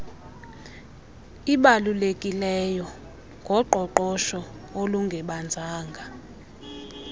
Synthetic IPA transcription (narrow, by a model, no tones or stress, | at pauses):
iɓalulekʼilɛjɔ | ŋɡʱɔǃɔǃɔʃɔ | oluŋɡʱɛɓand͡zʱaːŋɡʱa